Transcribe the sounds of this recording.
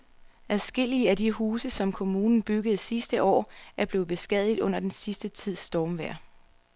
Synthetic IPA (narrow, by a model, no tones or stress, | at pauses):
æðˠsɡ̥e̝l̰iəæd̥iɦuːsəsɒ̽mkʰo̝muːnn̩b̥yɡ̥əð̞̩ˠsisd̥əʔɒ̰ːæɐb̥le̝ːð̩ˠb̥e̝sɡ̥ɛ̰ːð̞̰ˠid̥ˠɔ̽n̰ɐd̥ensisd̥ət͡sʰið̞̰ˠsd̥ɒːmʋæɐ̰